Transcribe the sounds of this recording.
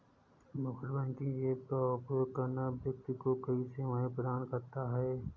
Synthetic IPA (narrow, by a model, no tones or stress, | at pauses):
mʊkɾbɛ̃ːŋkĩeːkapjoːkɐɾnabjɐk̚t̪ikokɐɦiseʋɐɦẽpɾəd̪aːnkɐɾt̪aɦɛː